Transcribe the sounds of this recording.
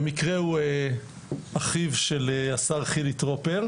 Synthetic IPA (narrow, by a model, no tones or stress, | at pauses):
mikʁeue | aχivʃeleasaʁχilit̪ʁopeʁ